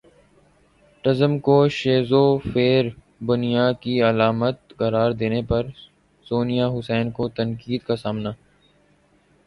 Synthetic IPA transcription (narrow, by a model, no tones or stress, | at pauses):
ʈɐzəmkoʃeːzofeːɾ | bʊnijakiɐlaːmət̪kɐɾaːɾd̪eːnepɐɾ | soːnijaɦʊsɛːnkot̪ɐnkiːd̪kasaːmnaː